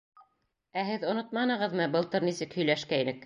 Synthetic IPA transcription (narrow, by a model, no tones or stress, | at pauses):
æɦɘðŏnot̪̚mɑnɤ̆ʁɤ̆ðmɤbɤ̆lˠt̪ɤɾnisɘkhɵ̆jlæʃkæinɘk